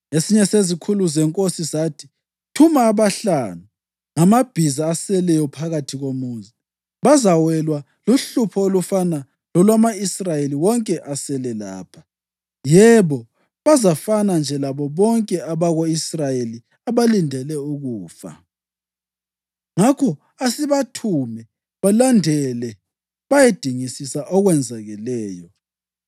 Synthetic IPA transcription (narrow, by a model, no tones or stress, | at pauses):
esiɲɛsezikʰuluzɛŋkʼosisaːtʰi̥ | tʰumaːβaɬaːnu | ŋamab̥ʱizaːsɛlɛjɔpʰaɣatʰiɣomuːnzi | βazawɛlwa | luɬupʰɔolufana | lɔlwamaisrajeliwɔŋkʼɛʔasɛlɛla̰ːpʰḁ | jɛβɔ | βazafanand͡ʒʱɛlaβɔβɔŋkʼɛaβaɣoisrajeli | aβalindʱɛlɛuɣuːfa̰ | ŋakʰɔ | asiβatʰumɛ | βalandʱɛlɛ | βajed̥ʱiŋisisaʔɔɣwɛnd͡zʱaɣɛlɛːjɔ